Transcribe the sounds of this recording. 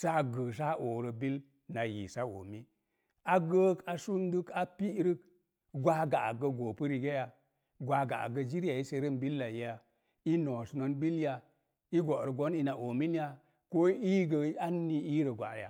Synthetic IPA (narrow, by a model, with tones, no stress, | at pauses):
sa˦ɡə˨s̬a˦o˨ɾə˨bi˦l | na˨jḭ˨sa˦o̰˨mi˦ | a˦ɡə˦ka˨su˦ndɨ˦ka˨pi˦ɾi˦k̚ | ɡʷa˦ɡa̰˨ɡə˧ɡo˨pə˦ɾi˨ɡe˦ja˨ | ɡʷa˧ɡa̰˨ɡə˧d͡ʒi˦ɾja˨i˦se˧ɾə˦˨mbi˦lːa˨ji˨ja˨ | i˦no˨sno˦nbi˦lja˨ | i˦ɡo˨ɾə˨ɡo˦ni˦na˨ʔo˨mi˦n˦ja˨ | ko˦i˦ɡə˧a˦nːi˨i˦ɾə˨ɡʷa̰˨ja̰˨